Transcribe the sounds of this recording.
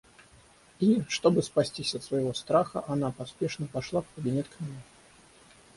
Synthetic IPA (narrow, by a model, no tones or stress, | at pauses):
iʂt̪o̞bɨspɐsʲtʲisʲɐt̪svəɪvo̞st̪ɾaxə̰ʔɐnapɐspʲeʂnəpɐʂlˠafkəbʲɪnʲet̪kmʲɪnʲe